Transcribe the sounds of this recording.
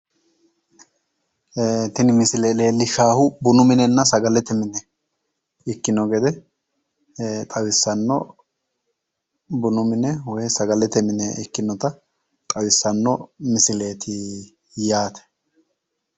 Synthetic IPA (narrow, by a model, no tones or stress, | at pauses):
t̪ɪnɪmɪsɪleːle̞ːlːɪʃaːhʊbʊnʊmɪnɛnːɐsɐɡɐlɛt̪ɛmɪnɛ | ɪkːɪnɔɡɛd̪ɛ | t̪ʼɐwɪsːɐnːɔ̰ | bʊnʊmɪnɛwɔjɛsɐɡɐlɛt̪ɛmɪnɛɪkːɪnːɔt̪ɐ | t̪ʼɐwɪsːɐnːɔmɪsɪle̞ːt̪ʰɪ | jaːt̪ɛ̥